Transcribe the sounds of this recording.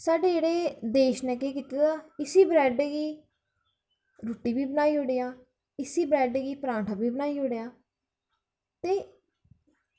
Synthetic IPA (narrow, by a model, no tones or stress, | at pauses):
saːɖeːd͡ʒeːɽeːd̪eːʃnɛ̃ːkeːkit̪ed̪aːɪsiːbɾɛːɖeɡiː | ɾoːʈiːbiːbənaːiːɦoːɽeːaː | ɪsiːbɾɛːɖeɡiːpɾãːɳʈʰaːbiːbənaːiːɦoːɽejaː | t̪eː